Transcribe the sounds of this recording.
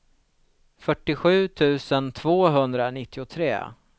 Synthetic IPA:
fœʈːɪɧʉ̟ːt̪ʰʉ̟ːsənt̪ʰvoːɦɵnd̪ɾanɪt̪ʰːɪʊt̪ʰɾḛː

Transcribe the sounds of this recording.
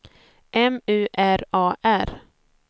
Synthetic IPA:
ʔɛmʉ̟ːʔæɾɑːʔæɾ

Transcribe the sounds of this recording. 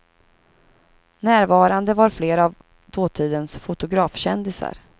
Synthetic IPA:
næːɾvɑːɾand̪əvaɾfleːɾav | d̪oːt̪ʰiːd̪ənsfʊt̪ʊɡɾɑːfɕɛnd̪ɪsa̰ɾ

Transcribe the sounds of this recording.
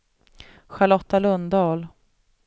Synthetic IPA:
ɧalɔt̪ːalɵnd̪ɑːl

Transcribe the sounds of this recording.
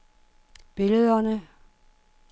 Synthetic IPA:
b̥e̝ləð̞ˠɐnə

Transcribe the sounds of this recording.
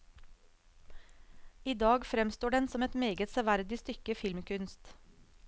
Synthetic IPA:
iːd̪ɑːɡfɾɛmst̪oːɖɛnsɔmɛt̪meːɡət̪sɛʋæɾd̪ɪst̪ʏkəfɪlmkʰʉnst̪

